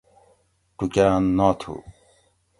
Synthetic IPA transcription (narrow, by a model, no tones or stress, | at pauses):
ʈukaːnːɔːt̪ʰṵ